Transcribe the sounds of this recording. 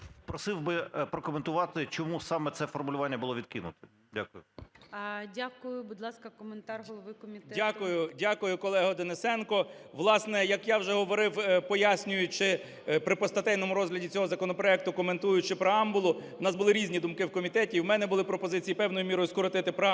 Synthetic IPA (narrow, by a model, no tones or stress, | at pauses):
pɾɔsɪwbɪpɾɔkɔment̪ʊʋɑt̪ɪt͡ʃɔmusɑmɛt̪sɛfɔrmʊlʲʊʋɑnʲːɐbʊlˠɔʋʲid̪̚kɪnʊ̰t̪ɪ̥ | dʲa̰kʊjʊ | dʲakʊjʊbud̪lˠɑskɐkɔment̪ɑrɦɔlˠɔʋɪkɔmʲidʲakʊjʊdʲakʊjʊkɔlˠɛɦɔd̪enesɛnkɔʋlˠɑsnɛjɐkjɑwʒɛɦɔʋɔɾɪwpɔjasʲnʲʊjʊt͡ʃɪ | pɾɪpɔst̪ɐt̪ɛjnɔmʊɾɔzɦlʲɐdʲit͡sʲɔɦɔzɐkɔnɔpɾɔɛk̚t̪ʊkɔment̪ujʊt͡ʃɪpɾeɑmbʊlˠʊʊnɑsbʊlˠɪɾʲizʲnʲid̪ʊmkɪwkɔmʲit̪ɛtʲiːwmɛnɛbʊlˠɪpɾɔpɔzɪt͡sʲijipɛwnɔjʊmʲiɾɔjʊskɔɾɔt̪ɪt̪ɪpɾɔ